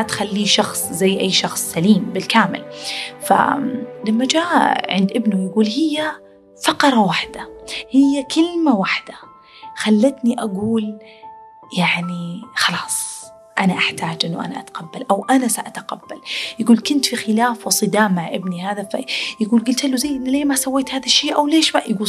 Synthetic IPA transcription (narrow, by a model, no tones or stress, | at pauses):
t̪xalːiːʃɑxsˤzajːʔajːʃɑxsˤsaliːmbɪlkaːmɪ̰lfa̰lamːad͡ʒaːʔʕɪ̰nd̪ʔɪbnʊjaɡuːlhɪjːa | fɑqɾˤɑwaħd̪̥ahɪjːakʰɪlmawaħd̪̥a | xalːat̪niʔaɡuːl | jaʕnixɑlɑːsˤ | ʔanaʔaħt̪aːd͡ʒʔɪnːʊʔa̰naʔat̪qabːalʔawʔanasaʔat̪aqabːaljɪɡuːlkɪnt̪fixɪlaːfwɪsˤɨd̪aːmːaʕʔɪbnihaːðafa̰jɪɡuːlɡʊlt̪ʔalːuzajʔɪnleːmasawːeːt̪haːðaʃːeːʔawleːʃmaʔjɡuː